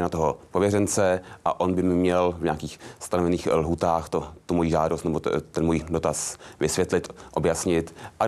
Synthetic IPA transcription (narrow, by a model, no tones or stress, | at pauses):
nat̪oɦopovjɛrɛnt͡sɛʔaʔo̞nbɪmɪmɲɛlvɲaːkiːxst̪anovɛniːxlɦuːt̪aːxt̪ot̪umojiːʒaːdost̪nɛbot̪ɛnmujidot̪asvɪsvjɛt̪lɪt̪ʔo̞bjasɲɪt̪ʔa